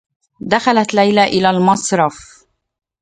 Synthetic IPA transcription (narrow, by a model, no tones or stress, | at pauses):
d̪axalat̪lajlaʔɪlaːlmɑsˤɾˤɑf